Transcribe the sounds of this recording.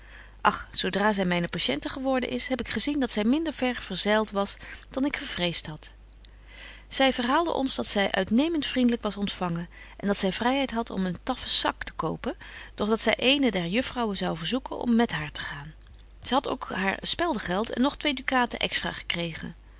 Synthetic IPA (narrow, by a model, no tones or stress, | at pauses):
ʔɑχsowdraːzɛjmɛjnəpaʃɛntəχəʋɔɹdə̰nʔɪsɦɛpɪkχəzindɑtsɛjmɪndəɹvɛɹv̥əɹzɛlˠtʋɑsd̥ɑnɪkχəɹv̥rejstɦɑt | z̥ɛjvəɹɦaːlˠdə̰ʔɔ̰nzdɑtsɛjʔœ̰ɥtnejməntfrindələkʋɑsɔntfɑŋən | ʔɛndɑtsɛjvrɛjɦɛjtɦɑtʰɔ̰məntɑfəsɑktə̥kowpənd̥ɔχdɑtsɛjʔejnədɛɹjɵfrɑwənzɑwvəɹzukənʔɔ̰mːɛtɦaːɹtə̥χaːn | z̥ɛjɦɑto̰wkɦa̰ːɹspɛlˠdəχɛlˠtɛ̰nːɔχtʋedykaːtə̰ʔɛ̰kstra̰ːχə̥krejχə̰n